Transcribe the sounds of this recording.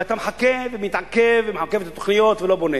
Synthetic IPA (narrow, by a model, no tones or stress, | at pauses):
ʔat̪amħakːevɪmjɪt̪ʕakːevɪmħakːevt̪at̪ːo̥xnɪjoːt̪veloːbone